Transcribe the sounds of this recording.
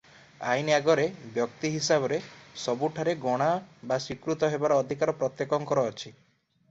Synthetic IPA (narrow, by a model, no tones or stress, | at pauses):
a̰jniaɡɔɾebjɔkt̪iɦisabɔɾesɔbuʈʰaɾeɡɔɽ̃abasikɾut̪ɔɦebaɾɔːd̪ʱikaɾɔpɾɔt̪jekɔŋkɔɾɔːt͡ʃʰi